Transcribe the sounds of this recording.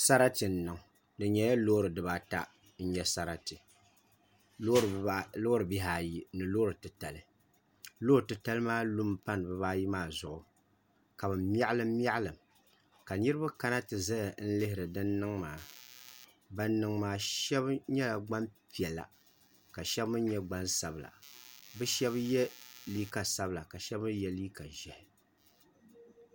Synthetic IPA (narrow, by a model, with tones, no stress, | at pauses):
sa˦ɾa˦tɨ˨n̩˨nɨ˨ŋ˨ | dɨ˨ɲɛ˨ja˦lo˦ɾɨ˨dɨ˨ba˦ta̰˦ | n̩˦ɲɛ˦sa˦ɾa˦tɨ˨˦ | o˦ɾɨ˨bi˦ɦaː˨ji˦nɨ˨loː˦ɾɨ˨tɨ˨ta˨lɨ˦ | loː˦ɾtɨ˨ta˦lɨ˦maː˦lu˦mpa˦nɨ˨bɨ˦baː˦ji˦maː˦˨zʊ˨ʔʊ˨ | ka˨bɨ˨m˦a˦ʔlɨ˦mː˦i˦a˦ʔa˦lɨ˨m | ka˨nɨ˦ɾɨ˦ba˦ka˦na˦tɨ˨za˦ja˨n̩˦lɨ˦hɪ˨ɾɨ˨dɨ˦nːɨ˦ŋmaː˨ | ba˦nːɨ˨˦ŋmaː˨ʃɛ˦bɲɛ˦la˨ɡ͡ba˦mpi˨ɛ˨lːa̰˨ | ka˨ʃɛ˦bmɨ˦ɲɛ˦ɡ͡ba˦nsa˨bɨ˨la̰˨bɨ˦ʃɛ˦bjɛ˦liː˦ka˨sa˦bɨ˨la˨ka˨ʃɛ˦bɨ˦jɛ˦liː˦ka˨ʒɛ˨hɪ˨